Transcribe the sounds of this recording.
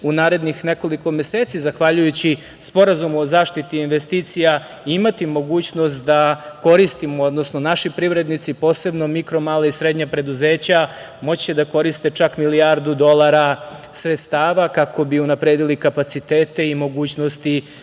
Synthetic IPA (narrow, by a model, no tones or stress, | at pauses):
unaːɾe̞d̪nixne̞ko̞liko̞mje̞seːt̪sizaxʋaʎujut͡ɕi | spo̞ɾazumuozaːʃt̪it̪iːnʋest̪iːt̪sija | iimat̪imo̞ɡuːt͡ɕno̞st̪d̪ako̞ɾist̪imood̪nosno̞naʃipɾiʋɾe̞d̪nit̪sipo̞ːse̞bno̞mikɾo̞maːlaisɾed̪ɲapɾe̞d̪uzeːt͡ɕa | mo̞t͡ɕt͡ɕed̪ako̞ɾist̪e̞t͡ʃakmilijaɾd̪ud̪o̞lˠaɾasɾe̞t̪st̪aːʋakako̞biunapɾeːd̪ilikapat̪sit̪eːt̪e̞imo̞ɡuːt͡ɕnost̪i